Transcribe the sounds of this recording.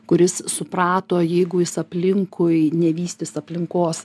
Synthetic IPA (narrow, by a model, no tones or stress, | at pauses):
kʊɾʲɪssʊpɾɑːt̪oːjɛɪɡʊjɪsɐpʲlʲɪŋkʰʊɪnʲɛʋʲiːsʲt̪ʲɪsɐpʲlʲɪŋkoːs